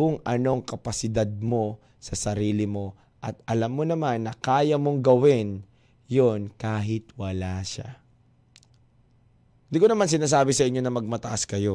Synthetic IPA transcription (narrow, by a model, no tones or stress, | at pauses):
kʊŋʔɐno̞ŋkɐpɐsɪd̪ad̪̚mo̞ | sɐsɐɾiːlɪmo̞ | ʔɐt̪̚ʔɐlamːo̞nɐmanːɐkaːjɐmo̞ŋɡɐwɪn | jo̞nkaːɦɪt̪wɐlaʃa̰ | nd̪ɪkonɐmans̬ɪnaːs̬aːbɪsɐʔɪɲːo̞nɐmɐɡ̚mɐt̪ɐʔaskɐjo̞